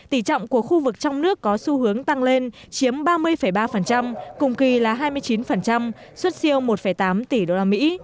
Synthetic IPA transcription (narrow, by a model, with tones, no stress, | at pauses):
t̪i˧˩t͡ɕɔ̰˧˨wŋ͡mku˧˩əxu˧vɨ˨˩k̚t͡ɕɔ˧wŋ͡mnɨ˦˥əkːɔ˨˦su˧hɨ˨˦əŋt̪a˧ŋle˧n | t͡ɕi˨˦əmɓaː˧mɨ˧əjfə˧˩jɓaː˧fə˨˩nt͡ɕa˧mkʊ˨˩ŋ͡mki˨˩laː˨˩ɦaː˧jmɨ˧əjt͡ɕi˨˦nfə˨˩nt͡ɕa˧m | swə˦˥t̚si˧əwmo˨˩t̚fə˧˩jt̪aː˨˦mt̪i˧˩ɗo˧laː˧mḭ˧˥